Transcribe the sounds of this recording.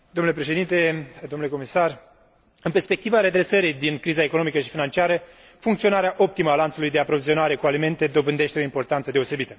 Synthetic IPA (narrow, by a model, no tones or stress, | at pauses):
d̪omnule̞pɾe̞ʃe̞d̪int̪e̞d̪o̞mnuleko̞misar | ɨnpe̞rspe̞k̚t̪ivaɾe̞d̪ɾe̞səɾijd̪inkɾizae̞ko̞nomikəʃi̥finant͡ʃiaɾə | fuŋkt̪sio̞naɾeaʔo̞p̚t̪iməalant̪sulujd̪e̞apɾo̞vizio̞naɾe̞kualime̞nt̪e̞d̪o̞bɨnd̪e̞ʃt̪eo̞impo̞rt̪ant̪səd̪eo̞se̞bit̪ə